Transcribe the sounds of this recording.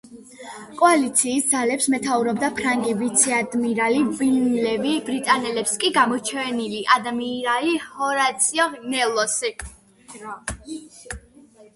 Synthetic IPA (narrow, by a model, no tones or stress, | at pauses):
kʼɔalit̪sʰiːsd̪zalɛpsmɛt̪ʰauɾɔb̚d̪apʰɾaŋɡivit̪sʰiad̪miɾalibinlɛvibɾit̪ʼanɛlɛpskʼiɡamɔt͡ʃʰɛniliʔad̪amiːɾaihɔɾat̪sʰiɔnɛlˠɔsi